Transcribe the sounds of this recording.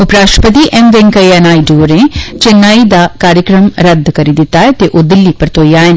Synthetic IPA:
ʊpɾaːʃəpət̪iːʔɛmʋɪ̃ŋkəiɛnaːiːɖoːɾẽːt͡ʃɪnːaːid̪aːkaːɾjəkɾəmɾəd̪kəɾiːd̪ɪt̪ːaːɛːt̪eːʔoːd̪ɪlːiːpəɾt̪oːiaːɪn

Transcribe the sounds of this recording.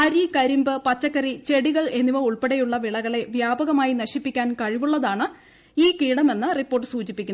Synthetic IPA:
ɐɾikɐɾimbɨpɐt͡ɕːɐkːɐrit͡ɕe̞ɽiɣɐɭe̞nːiʋɐuɭpeɽejuɭːɐʋiɭɐɣɐɭe̞ʋjaːbɐɣɐmaːjinɐɕipːikʲːaːnkɐɻiʋuɭːɐðaːɳɨ | iːkiːɽɐme̞nːɨripːo̞ːrʈːɨsuːt͡ɕipːikʲːun

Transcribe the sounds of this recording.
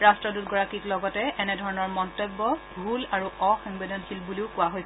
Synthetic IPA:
ɹastɹɔdutɡɔɹakitlɔɡɔtɛʔɛnɛdʱɔɹɔnɔɹmɔntɔbːɔbʱulaɹuʔɔxɔŋbedɔnxilbuliʊkʊaɦojs

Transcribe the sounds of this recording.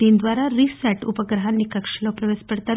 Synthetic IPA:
iːnd̪ʋaɾaɾisəʈṵpəɡɾəɦanːiːkəkʂəlopɾəʋespəɽt̪a

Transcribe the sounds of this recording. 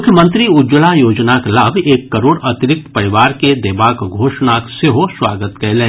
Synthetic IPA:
ʊkʰjəmə̃nt̪ɾiʊd͡ʒəlajoːd͡ʒnaklaːbʱeːkːɐɾoːɽɐt̪ɪɾɪk̚t̪pɐɾɪʋaːɾked̪eːbaːkɡʱoːʃnakseɦoswaːɡət̪kɛlẽː

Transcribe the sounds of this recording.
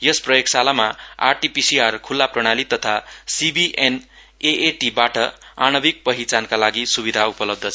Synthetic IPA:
jʌsprʌjeksalamaa̰rʈipisiarkʰulːaprʌɽ̃alit̪ʌt̪ʰasibiʔen | eʔeʈibaʈʌanʌbik̚pʌɦit͡sankalaɡisubid̪ʱaupʌlʌb̚d̪ʱʌt͡sʰʌ

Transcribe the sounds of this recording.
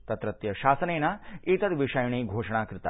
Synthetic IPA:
t̪ɐt̪ɾɐt̪jɐʃaːsəneːnait̪ɐd̪ʋiʂɐjɳ̃iːɡʱoːʂɳ̃aːkɾɪt̪a̰

